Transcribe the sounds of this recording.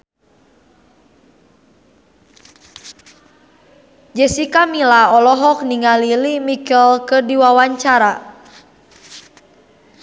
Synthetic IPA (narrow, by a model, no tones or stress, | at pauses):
d͡ʒɛsikamilaɔlɔɦɔk̚niŋalilimikəlkɨrdiwawaɲt͡ʃaɾa